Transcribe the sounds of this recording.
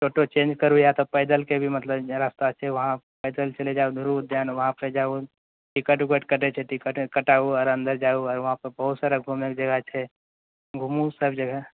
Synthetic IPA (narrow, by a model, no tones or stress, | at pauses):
t͡ʃʰoːʈot͡ʃẽːnd͡ʒkəɾujat̪opəɪd̪əlkebʱimɐt̪ləbɾaːst̪at͡ʃʰɛʋɐɦã | pəɪd̪əlt͡ʃəled͡ʒaːud̪ʱuɾud̪ʱjaːnʋɐɦãpəd͡ʒaːu | ʈɪkəʈuɡəʈkəʈet͡ʃʰɛʈɪkəʈkəʈaːuɔːɾɐ̃nd̪əɾd͡ʒauɔːɾʋɐɦãpəɾbəɦʊt̪saːɾəɡʱuməkd͡ʒəɡət͡ʃʰɛ | ɡʱumusəbd͡ʒəɡə